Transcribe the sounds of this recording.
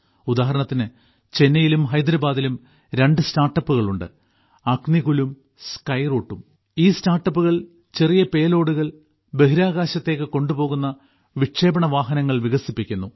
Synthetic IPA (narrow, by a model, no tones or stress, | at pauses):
ud̪aːɦɐɾɐɳɐt̪ːinɨ | t͡ɕe̞nːɐjilumɦɐjd̪ɾɐbaːd̪ilum | ɾe̞ɳɖɨstaːrʈːɐpːuɣɐɭuɳɖɨ̰ | ɐkniɣulum | skɐjroːʈːum | iːstaːrʈːɐpːuɣɐɭ | t͡ɕe̞rijɐpe̞ːlo̞ːɽuɣɐɭ | be̞ɦiɾaːɣaːɕɐt̪ːe̞ːkːɨko̞ɳɖupo̞ːɣunːɐ | ʋiʈʂe̞ːbɐɳɐʋaːɦɐnɐŋːɐɭʋiɣɐsipːikʲːunːu